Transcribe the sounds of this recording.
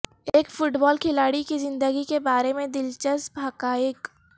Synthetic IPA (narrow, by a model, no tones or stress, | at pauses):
eːkfʊʈbɔːlkʰɪlaːɽikizɪ̃nd̪əɡikebaːɾemẽd̪ɪlt͡ʃəsbʱaːkaːjɪk